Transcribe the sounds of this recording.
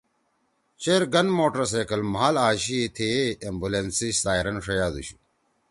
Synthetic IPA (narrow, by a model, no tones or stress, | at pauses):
t͡ɕeɾɡɐnmoːʈɐɾs̬eːkɐlmɦaːlaːɕit̪ʰeːembulensiɕsaːiɾɐnʂɐjaːd̪ṵɕi̥